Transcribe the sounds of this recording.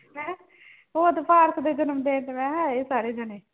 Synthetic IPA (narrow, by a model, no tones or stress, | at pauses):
mɛ̃ː | oːət̪pʰaːɾsd̪eːd͡ʒənəmd̪eːʈ̪mɛ̃ːɦɛ̃ːeːsaːɾeːd͡ʒəneː